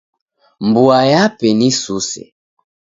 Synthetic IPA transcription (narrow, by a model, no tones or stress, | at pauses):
mbuajapɛnisusɛ̰